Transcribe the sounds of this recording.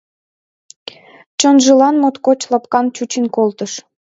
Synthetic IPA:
t͡ɕənʒəlɑnmot̪kot͡ɕlɑpkɑnt͡ɕut͡ɕinkolt̪əʃ

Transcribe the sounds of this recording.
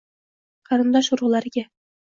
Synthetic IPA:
qʰɑɾɨ̆nd̪ɑʃuɾʁɤlˠɑɾɪɡʲæ

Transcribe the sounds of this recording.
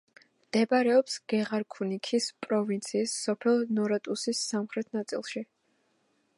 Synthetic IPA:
md̪̥ɛbaɾɛɔpsɡ̥ɛʁaɾkʰunikʰispʼɾɔvint̪sʰiːsːɔpʰɛlˠnɔɾat̪ʼusisːamχɾɛt̪ʰnat̪sʼḭlˠʃi

